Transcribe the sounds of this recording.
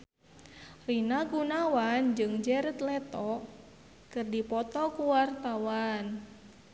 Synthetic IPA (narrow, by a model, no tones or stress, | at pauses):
rinaɡunawand͡ʒɨŋd͡ʒɛɾət̪lɛt̪ɔ | kɨrdipɔt̪ɔkuwart̪awan